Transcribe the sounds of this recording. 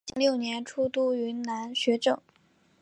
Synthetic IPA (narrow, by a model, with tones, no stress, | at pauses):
ŋljo˥˩ʊnjɛ˧˥nʈ͡ʂʰu˥t̪u˥y˧˥nna˧˥nɕɥɛ˧˥ʈ͡ʂɤ˥˩˦